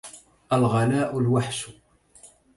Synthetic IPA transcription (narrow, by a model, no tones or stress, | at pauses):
ælʁɑlæʔʊlwaħsu̥